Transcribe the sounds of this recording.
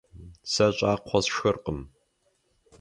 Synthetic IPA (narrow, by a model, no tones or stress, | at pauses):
sɐɕʼaːqʷʰɔsʃxɨrqʼəm